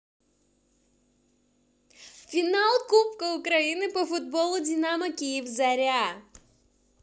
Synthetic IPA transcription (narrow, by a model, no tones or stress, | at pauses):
fʲɪnalˠkupkəʊkɾɐinɨpəfʊd̪̚bolˠʊdʲɪnaməkʲijɪfzɐɾʲa